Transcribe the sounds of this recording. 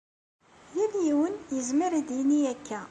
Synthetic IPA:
jæljiwənjəzməɾd̪jinːiækːæ

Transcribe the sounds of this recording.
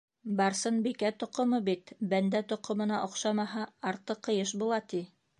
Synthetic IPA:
bɑɾsɤnbikæt̪ŏqŏmɤbit̪bænd̪æt̪ŏqŏmɤ̆nɑʔŏqʃɑmɑɦɑːɾt̪ːɤqːɤ̆jɤʃ̬bulˠɑt̪i

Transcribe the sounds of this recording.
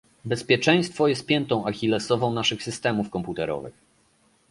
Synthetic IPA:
bɛspʲjɛt͡ʂɛj̃st̪fɔjɛst̪̚pʲjɛnt̪ɔ̃w̃axʲilɛsɔvɔ̃w̃naʂɘxsɘst̪ɛmufkɔmput̪ɛɾɔ̰vɘ̰x

